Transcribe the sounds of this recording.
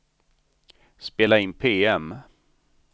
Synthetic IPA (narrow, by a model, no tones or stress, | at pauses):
speːlaɪnpʰeːɛm